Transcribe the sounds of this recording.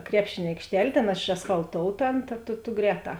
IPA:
ˈkrʲæːpʲʃʲeːnʲ ɐɪkʃʲˈtʲɛlʲ ˈtʲeːn eːʃɐsfɐlˠˈtoːʊtɐ ˈɐn tɐ tʊ tʊ ˈɡrʲɛːˌtɑː

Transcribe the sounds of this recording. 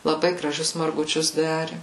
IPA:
lˠɐˈbɐɪ ɡrɐˈʒʲʊs mɐrɡʊˈt͡ʃʲʊs ˈdɑːrʲɪ

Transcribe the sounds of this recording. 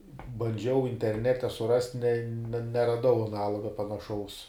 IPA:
bɐnʲˈd͡ʒʲɛʊ ɪnʲtʲɛrʲˈnʲæːtʲɛ sʊˈrɐsʲtʲ nʲɛ nʲɛ nʲɛrɐˈdɐʊ ɐˈnɑːlˠoːɡɐ pɐnɐˈʃɐʊs

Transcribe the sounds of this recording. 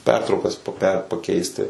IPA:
ˈpʲɛrtrɐʊkɐs poːˈpʲɛ pɐˈkʲɛɪsʲtʲɪ

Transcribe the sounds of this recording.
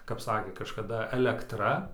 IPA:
kɐp ˈsɑːkʲeː kɐʃkɐˈdɐ ɛlʲɛˈktrɐ

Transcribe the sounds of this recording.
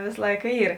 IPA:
ˈʋʲeːs ˈlˠɐɪkɐ ˈiːr

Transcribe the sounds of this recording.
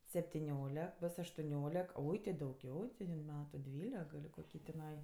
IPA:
sʲɛpʲtʲɪˈnʲoːlʲɛk ˈboːs ɐʃtʊˈnʲoːlʲɛk ˈoːɪ tʲɪ dɐʊˈɡʲɛʊ tʲɪ ɪn ˈmʲæːtʊ ˈdʲʋʲiːlʲɛk ɡɐlʲ koːˈkʲiː tʲɪˈnɐɪ

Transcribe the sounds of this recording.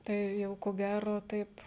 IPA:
ˈtɐɪ ˈjɛʊ koː ˈɡʲæroː ˈtɐɪp

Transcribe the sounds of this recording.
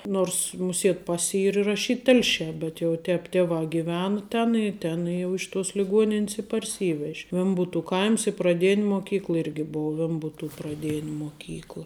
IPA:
ˈnoːrs mʊˈsʲiɛt ˈpɐsʲ ˈiːr ɪrɐˈʃʲiːt ˈtʲɛlʲʃʲɛː bʲɛt jɛʊ ˈtʲɛːp ˈtʲeːʋɑː ɡʲɪˈʋʲæːnɐ ˈtʲɛn ɪ ˈtʲɛn jɛʊ ɪʃ tuɔs lʲɪˈɡuɔnʲɪnʲs ɪ pɐrʲˈsʲiːʋʲɛʃʲ ˈʋʲɛmbʊtʊ ˈkɐɪms ɪ prɐˈdʲeːnʲ moːˈkʲiːklˠɐ ˈɪrʲɡʲɪ ˈboːʊ ˈʋʲɛmbʊtuː prɐˈdʲeːnʲ moːˈkʲiːklˠɐ

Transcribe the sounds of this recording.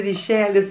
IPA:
rʲiːˈʃʲæːlʲɪs

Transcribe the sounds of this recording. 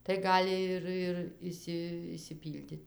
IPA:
tɐɪ ˈɡɑːlʲɪ ɪr ɪr ˈɪʃʲsʲɪ ɪʃʲsʲɪˈpʲiːlʲdʲɪtʲ

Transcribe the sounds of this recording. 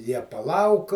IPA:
ˈjiɛ pɐˈlˠɐʊk

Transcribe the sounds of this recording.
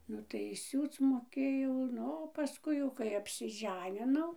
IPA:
ˈnʊ tɐɪ ˈsʲuːt͡s moːˈkʲeːjɛʊ ˈnʊ oː pɐˈskʊɪ jɛʊ kɐɪ ɐpʲsʲɪˈʒʲæːnʲɪnɐʊ

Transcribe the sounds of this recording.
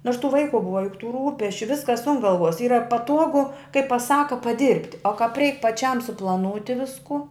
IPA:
noːrs tuː ˈʋɐɪkʊ ˈbʊʋɐ jʊk tuː ˈruːpʲɛsʲt͡ʃʲʊ ˈʋʲɪskɐs ʊn ˈɡɐlˠʋuɔs ˈiːrɐ pɐˈtuɔɡʊ kɐɪ pɐˈsɑːkʊ pɐˈdʲɪrʲpʲtʲ oː kɐp rʲɛɪk pɐˈt͡ʃʲɛm sʊplˠɐˈnuːtʲɪ ˈʋʲɪskʊ

